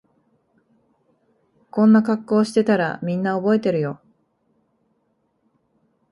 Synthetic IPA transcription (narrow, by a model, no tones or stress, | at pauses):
kõ̞nːakakːo̞ːɕi̥t̪e̞t̪aɾa̰mʲĩnːao̞bo̞e̞t̪e̞ɾɯ̟jo̞